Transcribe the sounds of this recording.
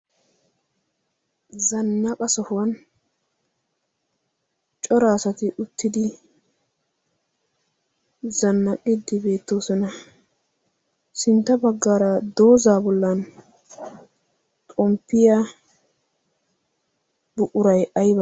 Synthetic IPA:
zɐnːɐkʼɐsɔhʊwɐn | t͡ʃʼɔɾaːsɐt̪ɪʔʊt̪ːɪd̪ɪ | zɐnːɐkʼɪd̪ɪbe̞ːt̪ːoːsɔnɐ | sɪnt̪ːɐbɐɡːaːɾɐd̪o̞ːzaːbɔlːɐn | t̪ʼɔmpːɪja | bʊʔʊɾɐjɐjbɐ

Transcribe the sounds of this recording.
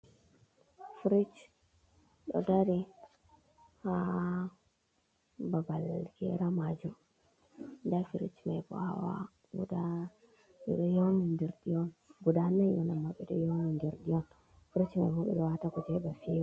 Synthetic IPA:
fiɾit͡ʃ | ɗɔ̰daɾi | ha | babalɡɛ̰ɾamad͡ʒum | ndafiɾḭt͡ʃmajbɔ̰ha̰wa̰ | ɡṵda | ɓɛɗɔjownindɛɾdiɔnɡudanajɔnamːaɓɛɗɔjonindɛɾdiɔn | fiɾit͡ʃmajbɔɓɛ̰ɗɔwatakud͡ʒɛbafi

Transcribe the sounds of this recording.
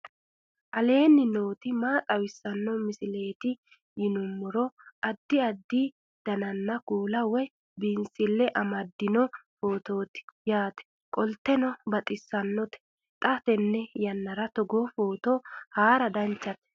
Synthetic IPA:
ʔɐle̞ːnːɪno̞ːt̪ɪmaːt̪ʼɐwɪsːɐnːɔmɪsɪle̞ːt̪ɪ | jɪnʊmːʊɾɔʔɐd̪ːɪɐd̪ːi | d̪̥ɐnɐnːɐkuːlɐwɔj | binsɪlːɛʔɐmɐd̪ːɪnɔfo̞ːt̪o̞ːt̪ɪ̥jaːt̪ɛ̥ | kʼɔlt̪ːɛnɔbɐt̪ʼɪsːɐnːɔt̪ɛ̥ | t̪ʼɐt̪ɛnːɛjɐnːɐɾɐt̪ɔɡofoːt̪ohaːɾɐd̪ɐnt͡ʃːɐt̪ɛ̥

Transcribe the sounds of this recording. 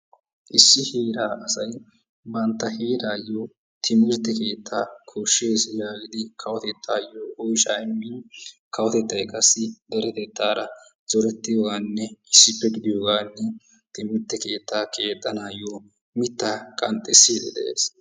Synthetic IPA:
ʔɪsːɪhiːɾaːʔɐsɐj | bɐnt̪ːɐheːɾaːjːoː | t̪ʰɪmɪɾt̪ːɛke̞ːt̪ʰːaːkʰoʃːeːsjaːɡɪd̪ɪkʰɐwɔt̪ɛt̪ʰːaːjoːʔɔjʃaːɪmːin | kɐwɔt̪ɛt̪ːɐjkʼɐsːɪd̪ɛɾɛt̪ɛt̪ːaːɾɐ | zɔɾɛt̪ːɪjoːɡaːnːɛɪsːɪpːɛɡɪd̪ɪjoːɡaːnːɛ | t̪ɪmɪɾt̪ːɛke̞ːt̪ːaːkʰe̞ːt̪ʼːɐnaːjoː | mɪt̪ːaːkʼɐnt̪ʼːɛsːiːd̪ɛd̪ɛ̰ʔeːs

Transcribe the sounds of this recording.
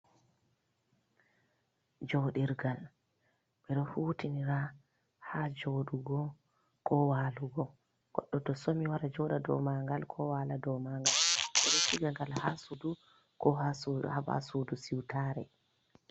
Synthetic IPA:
d͡ʒoɗiɾɡal | ɓɛɗɔhuːtiniɾa | had͡ʒoɗuɡɔ | kɔwaːluɡɔ | ɡ̥ɔ̰ɗːɔtɔsomiwaɾad͡ʒɔɗadɔ̰maŋɡalkʰɔwaladɔmaŋɡalɓɛɗɔfiɡaŋɡalhasudu | kɔhasuhaba̰sudusiwtaːɾɛ̰

